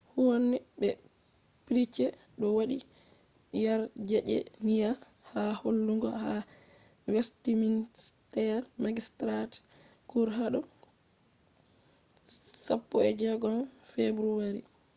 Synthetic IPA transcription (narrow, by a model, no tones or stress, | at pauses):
huwɔnːɛbɛ | piɾit͡ʃːɛ | ɗɔwaɗi | jaɾd͡ʒɛʔɛ̰nija | haholːuŋɡɔ̰ha | wɛstiminstɛɾmaɡistɾat | kuɾɦaɗɔ | sapːɔɛd͡ʒɛɡɔmfebɾuwaɾi